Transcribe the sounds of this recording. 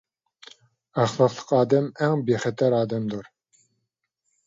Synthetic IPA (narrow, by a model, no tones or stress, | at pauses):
æχlˠɑqlˠə̥qɑːd̪ɛmɛŋbeχɛt̪ʰɛɾɑːd̪ɛmd̪uɾ